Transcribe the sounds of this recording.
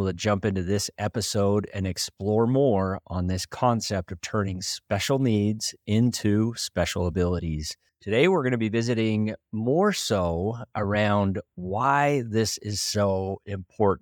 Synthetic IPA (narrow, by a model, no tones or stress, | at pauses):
tʰɨd͡ʒʌ̃mpɪ̃ntʉðɪsɛpɨsoʊɾɨ̰̃nɨksplɔɹmɔɹʔə̃nðɪskʰɑ̃nsɛp̚tʌv̥tʰɜ̃˞nɪ̃ŋspɛʃl̩ˠnidz̥ɪ̃ntʰʉspɛʃl̩ˠəbɪlˠəɾiz̥ | tʰɨdeɪwɪɹɡʌñɨbivɪzɨɾɪ̃ŋmɔɹsoʊʔə˞ãʊ̃ndwaɪðɪsɪz̥soʊɪ̃mpʰɔɹʔ̩